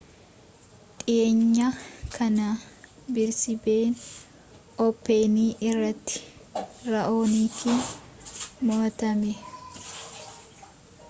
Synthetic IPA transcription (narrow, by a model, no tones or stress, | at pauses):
t̪ʼɪeːɲːɐkʰɐnɐ | bɪɾsɪbeːn | ʔɔpːe̞ːniːʔɪrːɐt̪ːɪ̥ɾɐʔo̞ːniːki | mot̪ɐmɛ